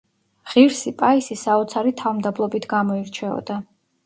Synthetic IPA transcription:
ʁ̥iɾsipʼaisisaɔt̪sʰaɾit̪ʰavmd̪ablˠɔbit̪ʰɡamɔiɾt͡ʃʰɛɔ̰d̪̥a

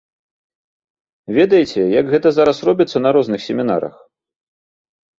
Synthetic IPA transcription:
vʲeɛd̪ɐjit͡sʲɛjɐɡɣɛt̪ɐzaɾɐsrɔbʲit̪sːɐnɐɾɔznɨxsʲɛmʲina̰ɾɐ̰x

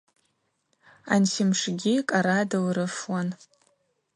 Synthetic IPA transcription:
a̰nsimʂɡʲikʼaɾadɨlɾɨfwan

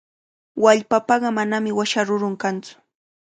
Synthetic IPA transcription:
waʎpapɑɢɑmanamɪwaʃaɾʊɾʊŋkant͡sʊ̥

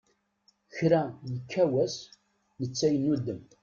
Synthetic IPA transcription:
çɾæjəkːæwæs | nət͡sːæjənːud̪ːəm

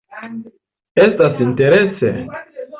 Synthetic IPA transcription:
ɛst̪asint̪eɾɛsḛ

